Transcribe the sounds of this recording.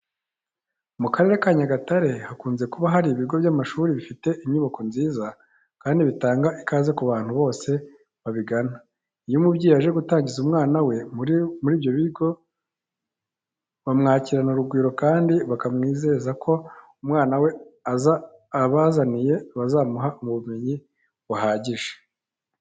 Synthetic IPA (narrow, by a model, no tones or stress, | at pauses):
mukaɾe̞ɾekaɲaɡataɾe̞hakuːnze̞kuβaɦaɾiβiɡo̞βjamaʃuːɾiβifite̞ʔimɲuβako̞nziːza | kaːndiβitaːŋɡaʔikaːze̞kuβaːn̥huβo̞ːse̞ | βaβiɡana | ijumubɟiːjaʒe̞ɡutaːɲɟizumŋaːnawe̞mmuɾiːβjo̞βiɡo̞ | βamŋaːciɾanuɾuɡwiːɾo̞kaːndiβakamŋiːze̞zakʰo̞ | umŋaːnawe̞aza | βazanije̞βazaːmuɦaumuβumeɲi | βaɦaːɟiʒe̥